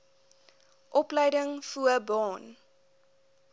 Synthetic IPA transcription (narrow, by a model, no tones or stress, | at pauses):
ʔɔplɛjdəŋfuəbɑːn